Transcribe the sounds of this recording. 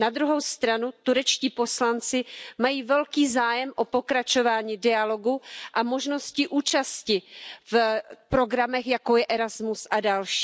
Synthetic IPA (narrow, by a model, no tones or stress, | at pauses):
nad̪ɾuɦo̞wst̪ɾanut̪uɾɛt͡ʃciːpo̞slant͡sɪmajiːvɛlkiːzaːjɛmʔopo̞kɾat͡ʃo̞vaːɲiːdɪalo̞ɡuʔamo̞ʒno̞scɪʔuːt͡ʃascɪfpɾo̞ɡɾamɛxjakojɛʔɛɾazmusʔadalʃi̥ː